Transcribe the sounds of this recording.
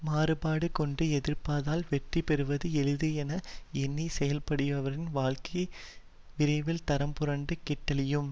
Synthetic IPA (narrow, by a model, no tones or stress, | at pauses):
maːɾɯpaːɽɯkɔɳɖɯɛðɪrpaːðaːlʋɛʈripɛɾɯʋɐðɯɛlɯðɯɛnɐɛnːisɛjɐlpɐɽɪʋɐʋɐɾɪnʋaːɭkɐj | ʋɪɾɐɪʋɪlt̪ɐɾɐmpʊɾɐɳɖɯkɪʈːɐlɪjɯm